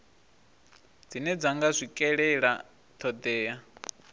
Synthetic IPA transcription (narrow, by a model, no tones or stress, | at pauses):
d͡zinɛd͡zaŋɡazʷikʼɛɺɛɺa | t̪ʰɔd̪ɛːa